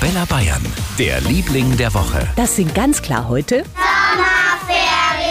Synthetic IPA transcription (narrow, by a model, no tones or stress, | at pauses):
b̥ɛlɐbaɪɐ̰nd̥ḛːɐliːplɪŋdeːɐvɔχə̰d̥asɪnt̚ɡ̥ant͡skʰl̥a̰ːɐɦɔʏtə